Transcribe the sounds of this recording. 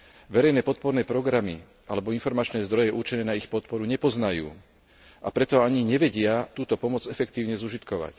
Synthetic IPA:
ʋɛɾɛjnɛːpɔt̪̚pɔɾnɛːpɾɔɡɾami | alɛbɔinfɔɾmat͡ʃnɛːzd̪ɾɔjɛʔuɾt͡ʃɛnɛːnaixpɔt̪̚pɔɾuɲɛpɔznajṵː | ʔapɾɛt̪ɔaɲiɲɛʋɛɟɪat̪uːt̪ɔpɔmɔd͡zɛfɛkt̪iːʊɲɛzuʒit̪kɔʋa̰c

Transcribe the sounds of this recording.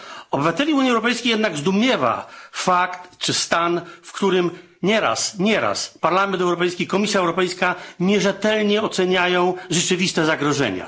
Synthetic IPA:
ɔbɘvat̪ɛlʲiuɲiɛwɾɔpɛjskʲejɛd̪naɡzd̪umʲjɛva̰fakt̪t͡ʂɘst̪anfkt̪uɾɘm | ɲɛɾa̰sɲɛɾa̰spaɾlamɛnt̪ɛwɾɔpɛjskʲikɔmʲisʲjaɛwɾɔpɛjskaɲɛʐɛt̪ɛlɲɛɔt̪sɛɲajɔ̃w̃ʐɛt͡ʂɘvʲist̪ɛzaɡɾɔʐɛ̰ɲa̰

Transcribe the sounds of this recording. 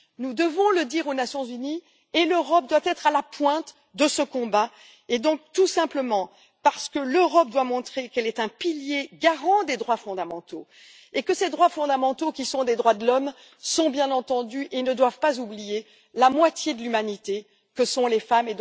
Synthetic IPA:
nud̪əvɔ̃ləd̪iʁonasjɔ̃zyni | eløʁɔp̚d̪wat̪ɛt̪χalapwɛ̃t̪ | d̪əsəkɔ̃ba | ed̪ɔ̃k̚t̪usɛ̃pləmɑ̃ | paʁsə̥kəløʁɔp̚d̪wamɔ̃t̪χekɛlɛt̪ɛ̃piljeɡaʁɑ̃d̪ed̪ʁwafɔ̃d̪amɑ̃t̪o | ekəsed̪ʁwafɔ̃d̪amɑ̃t̪okʲisɔ̃d̪ed̪ʁwad̪əlɔm | sɔ̃bjɛ̃nɑ̃t̪ɑ̃d̪yʔenəd̪wavpazublije | lamwat̪jed̪əlymanit̪e | kəsɔ̃lefamed̪

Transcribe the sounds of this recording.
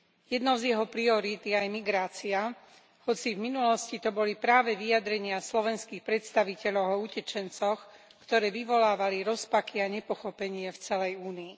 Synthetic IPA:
jɛd̪nɔʊzjɛɦɔpɾiɔɾit̪iajmiɡɾaːt͡sia | hɔt͡sivminulɔscit̪ɔbɔlipɾaːʋɛʋijad̪ɾɛɲɪaslɔʋɛnskiːxpɾɛt̪st̪aʋicɛʎɔʊɔucɛt͡ʃɛnt͡sɔxkt̪ɔɾɛːʋiʋɔlaːʋaliɾɔspakiaɲɛpɔxɔpɛɲɪɛft͡sɛlɛjuːniː

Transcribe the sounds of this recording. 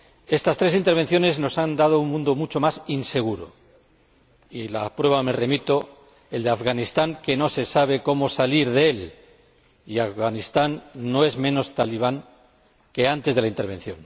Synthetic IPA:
e̞st̪ast̪ɾe̞sint̪e̞ɾβ̞e̞nθjo̞ne̞zno̞sand̪að̞o̞unmũnd̪o̞mut͡ʃo̞masinse̞ɣ̞uɾo̰ | ilapɾwe̞βame̞re̞mit̪o̞ | eld̪eafɣanist̪aŋke̞no̞se̞saβ̞e̞ko̞mosaliɾðeel | iafɣanist̪anːo̞e̞zmẽ̞no̞st̪aliβ̞aŋ | ke̞ant̪eðelaint̪e̞ɾβe̞nθjo̞̰ŋ

